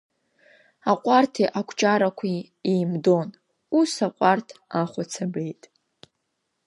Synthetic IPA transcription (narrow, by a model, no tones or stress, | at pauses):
aqʷʼartʰiʔakʷʰt͡ʃʼaɾakʷʰi | ejmdon | usaqʷʼartʰaχʷat͡sʰabejtʼ